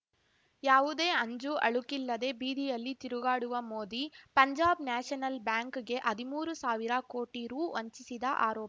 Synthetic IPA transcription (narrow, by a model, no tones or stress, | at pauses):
jaːʋud̪e̞ːɐɲd͡ʒuʔɐɭukilːɐd̪e̞ːbiːd̪ijɐlːit̪iɾuɡaːɽuʋɐmoːd̪ipɐɲd͡ʒaːbnaːʂɐnɐlbjaːŋkɡe̞ʔɐd̪imuːɾusaːʋiɾɐko̞ːʈiɾuːɐɲt͡ʃisid̪ɐʔa̰ːɾɔːp